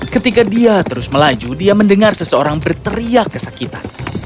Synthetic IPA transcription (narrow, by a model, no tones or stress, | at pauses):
kət̪ikadiat̪əɾʊsməlad͡ʒudiaməndəŋarsəsəoɾaŋbərt̪əɾiakːəsakit̪an